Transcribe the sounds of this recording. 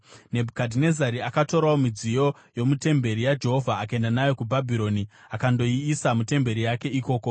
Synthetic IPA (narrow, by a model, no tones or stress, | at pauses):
ne̞bʱukadʱine̞zaɾiakato̞ɾaomid͡zijo̞ | jo̞mute̞mbe̞ɾijad͡ʒe̞ɦo̞vʱaːkae̞ndanajo̞kubʱabʱiɾo̞niakando̞iːsamute̞mbe̞ɾijake̞iko̞ːko̞